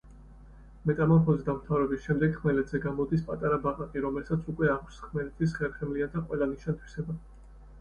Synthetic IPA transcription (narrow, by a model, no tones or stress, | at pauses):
mɛt̪ʼamamχɔzid̪amɾt̪ʰavɾɛbisʃɛmd̪ɛɡ̥χmɛlɛt̪z̥ɛɡamɔd̪ispʼat̪ʼaɾabaʁakʼiɾɔmɛlsat̪sʰukʼwɛakʰʷsχmɛlɛt̪ʰis̬χɛɾχɛmliad̪aqʼwɛlˠaniʃant̪ʰwi̥sɛba